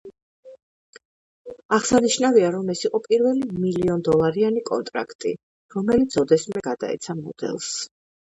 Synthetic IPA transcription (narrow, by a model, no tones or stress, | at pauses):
aʁsaniʃnaviaɾɔmɛsiqʼɔpʼiɾvɛlimiliɔnd̪ɔlˠaɾianikʼɔ̰nt̪ʼɾa̰kʰt̪ʼḭ | ɾɔmɛlit̪sʰɔd̪ɛsmɛɡad̪a̰ɛ̰t̪sʰamɔd̪ɛ̰lˠs